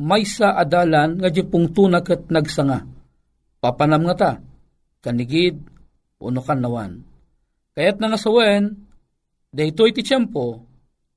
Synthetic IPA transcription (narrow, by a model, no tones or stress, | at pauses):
majsaʔad̪aːlanŋad͡ʒipʊŋt̪uːnakɨt̪̚naɡsaŋa | papanamŋat̪a | kanɪɡɪd̪̚ | ʔo̰nokanːawa̰n | kajat̪̚nɐŋasɐwɛɛn | d̪ɐjt̪ojt̪ɪt͡ʃɛmpo